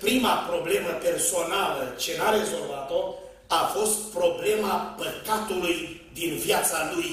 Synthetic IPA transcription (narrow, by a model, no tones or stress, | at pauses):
pɾimapɾo̞ble̞məpe̞rso̞nalət͡ʃe̞naɾe̞zo̞lvat̪o̞ | afo̞st̪̚pɾo̞ble̞mapəkat̪uluj | d̪invjat̪saluj